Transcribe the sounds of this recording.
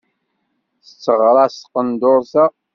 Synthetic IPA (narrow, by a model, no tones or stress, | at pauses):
θə̥t͡sːəʁɾˤɑsqənd̪ʊɾˤsæ